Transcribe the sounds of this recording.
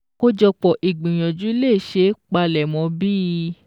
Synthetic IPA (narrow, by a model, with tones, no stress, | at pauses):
ko˦d͡ʒɔ˧k͡pɔ˨ʔi˨ɡ͡bĩ˨j̃ɔ̃˨d͡ʒu˨˦le˦˨ʃe˨˦k͡pa˧lɛ˨mɔ̃˨˧˦biː˦˧˦